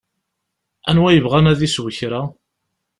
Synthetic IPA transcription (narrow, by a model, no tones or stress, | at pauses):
ænwæjəvʁænæðiswəçɾæ